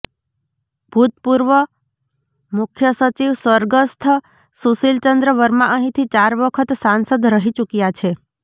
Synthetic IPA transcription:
b̥ʱut̪puɾʋə | mukʰjəsət͡ʃiʋsʋəɾɡəst̪ʰə | susilt͡ʃənd̪ɾəʋəɾmãʔəɦĩt̪ʰit͡ʃaɾʋəkʰət̪sãnsəd̪ɾəɦit͡ʃukjat͡ʃʰe

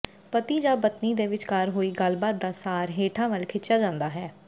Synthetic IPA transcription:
pət̪iːd͡ʒaːbət̪niːd̪eːʋɪt͡ʃkaːɾɦoːiːɡəlbaːt̪̚d̪aːsaːɾɦeːʈʰãːʋəlkʰɪt͡ʃːjaːd͡ʒãːnd̪aːɦɛː

